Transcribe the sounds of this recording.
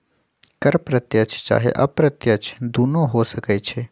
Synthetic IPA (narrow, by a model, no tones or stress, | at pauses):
kɐɾpɾət̪jət͡ʃʰt͡ʃa̰ːɦḛʔɐpɾət̪jət͡ʃʰd̪uːnõɦosəkɛt͡ʃʰeː